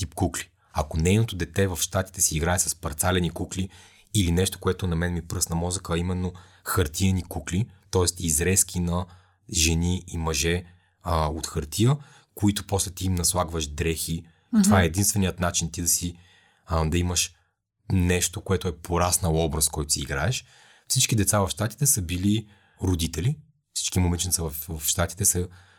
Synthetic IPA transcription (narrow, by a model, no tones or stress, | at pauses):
t̪ipkukli̥ | ɐkonɛjnot̪od̪ɛt̪ɛvɐfʃt̪at̪i̥t̪ɛsiːɡɾaɛsɐ̥spɐɾt̪salɛnikukliː | linɛʃt̪o̥koɛt̪onɐmɛnmipɾɤsnɐmɔzəkəːimɛnːo | xɐɾt̪iɛnikuklit̪ɔɛst̪izɾɛskʲinɐ | ʒɛniimɐʒɛ | ot̪xɐɾt̪ʰijə | koit̪oposlɛt̪iːmnɐslˠaɡvəʃd̪ɾɛxi | t̪ovaɛɛd̪inst̪vɛnijət̪nat͡ʃint̪id̪ɐsi | d̪ɐiməʃ | nɛʃt̪okoɛt̪oɛpʰoɾasnəɔbɾɐskɔjt̪o̥siːiɡɾaɛʃ | fsit͡ʃkid̪ɛt̪savɐfʃt̪at̪i̥t̪ɛsəbili | ɾod̪it̪ɛli | fsi̥t͡ʃkimomɛnt͡ʃinsəvɐfvɐfʃt̪at̪i̥t̪ɛsə